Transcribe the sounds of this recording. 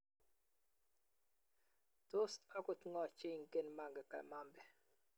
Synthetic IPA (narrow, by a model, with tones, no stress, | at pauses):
to˦sa˦ku˦tŋɔ˦˨t͡ʃe˦˨ŋ̩˨ke˦˨nma˦˨ŋɡɛ˨ka̰˨ma˦mbɛ˨